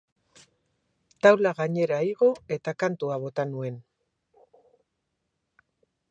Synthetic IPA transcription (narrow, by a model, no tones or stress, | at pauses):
t̪awlaɣaɲe̞ɾaiɣ̞o̞e̞t̪akant̪uaβo̞t̪anue̞n